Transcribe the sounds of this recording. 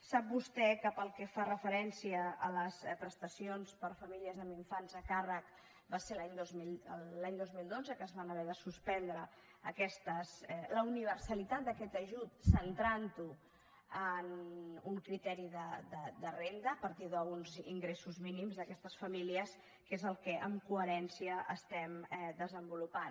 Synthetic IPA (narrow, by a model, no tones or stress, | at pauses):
sap̚bust̪ɛkəpəlˠkɛfarəfəɾɛnsiəːləspɾəst̪əsionspəɾfəmiliəzəmiɱfanzəkarək | baseɾlaɲd̪ozmiəllaɲd̪ozmilˠd̪od͡zəkəzβanəβɛðəsuspɛnd̪ɾəː | kɛst̪əsɛləuniβ̞əɾsəlit̪at̪̚d̪əkɛt̪əʒut̪̚sənt̪ɾant̪u | ənuŋkɾit̪ɛɾiðəd̪əd̪ərend̪əːpəɾt̪iðəunzḭŋɡɾesuzminimzðəkɛst̪əsfəmiliəs | kezəlˠkɛʔəmkuəɾɛnsiəʔəst̪ɛmɛd̪əzəmbulupan